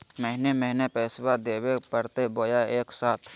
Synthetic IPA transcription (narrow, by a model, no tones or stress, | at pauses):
məɦneməɦnepɛːswad̪eːwepəɾt̪eboːjaeːksaːt̪ʰ